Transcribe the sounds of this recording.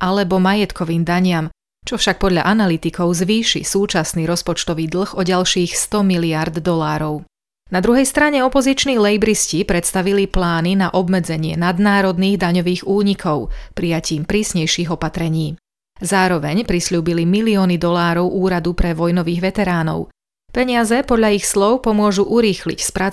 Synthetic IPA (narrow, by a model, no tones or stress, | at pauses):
ʔalɛbɔmajɛt̪kʰɔʋiːmd̪aɲɪam | t͡ʃɔfʃak̚pɔd̪ʎa̰ʔanalit̪ikʰɔʊzʋiːʃḭsuːt͡ʃasniːɾɔspɔt͡ʃt̪ɔʋiːd̪l̩ˠxɔɟalʃiːxst̪ɔmiliaɾd̪ːɔlaːɾɔʊ | nad̪ɾuɦɛjst̪ɾaɲɛɔpɔzit͡ʃniːlɛjbɾiscipɾɛt̪st̪aʋiliplaːninaʔɔbmɛd͡zɛɲɪɛnad̪naːɾɔd̪niːɣd̪aɲɔʋiːɣuːɲikʰɔʊpɾijaciːmpɾiːsɲɛjʃiːɣɔpat̪ɾɛɲiː | zaːɾɔʋɛɲpɾisʎuːbilimiliɔːnid̪ɔlaːɾɔʊʔuːɾad̪upɾɛʋɔjnɔʋiːɣʋɛt̪ɛɾaːnɔ̰ʊ | pɛɲɪazɛpɔd̪lʎaixslɔʊpɔmʊɔʒuʔuɾiːxlḭcspɾa